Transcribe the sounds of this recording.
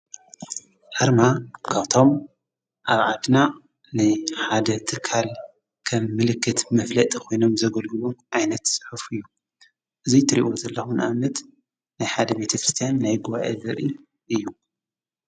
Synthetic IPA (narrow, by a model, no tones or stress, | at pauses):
ʔaɾmakʰaβt̪ʰo̞m | ʔaβʕad̪na | nɨħad̪ɐt̪ʰɨkʰːal | kʰɐmːɨlɨkʰːɨt̪mɐflɐt̪ʼikʰo̞jno̞mzɐɡɐlɡɨluʕajnɐt̪sʼɨ̥ħufɨjːu | ʔɨzit̪ʰɨɾḭʔo̞zɐlːɐxunʔamɐt̪ | najħad̪ɐbe̞t̪ʰɐkʰɾɨst̪ʰijanːajɡuβaʔḛzɐɾi | ʔɨjːu